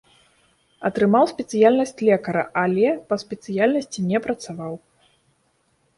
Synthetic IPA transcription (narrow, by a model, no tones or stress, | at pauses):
ɐt̪ɾɨmawsʲpʲɛt̪sɨjalʲnɐsʲt͡sʲlʲɛkɐɾɐ̰ʔalʲɛpɐsʲpʲɛt̪sɨjalʲnɐsʲt͡sʲinʲɛpɾɐt̪savaw